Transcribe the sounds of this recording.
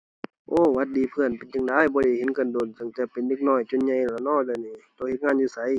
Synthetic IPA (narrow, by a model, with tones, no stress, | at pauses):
ʔoː˧˩˨wa˧t̪̚diː˨pʰɯ˧˩ənpe˨nt͡ɕa˧˨ŋdaː˧˥˨jbɔː˧le˧˩he˧˦nka˧˨ndo˨˩nsɯ˧˦ŋt̪ɛː˧˩pe˨nde˧˥k̚nɔː˧˩jt͡ɕo˧˨nɲa˧˨jlaː˧˩nɔː˧˥˨dɯː˧˨niː˧˩t̪o˧˨he˧t̪̚ŋaː˧˥˨njuː˧˨sa˧˦j